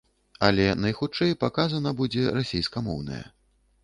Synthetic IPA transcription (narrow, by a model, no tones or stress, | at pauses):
ɐlʲɛnɐjxut͡ʂɛjpakazɐnɐbud͡zʲɛrasʲejskɐmɔ̰wnɐ̰jɛ̰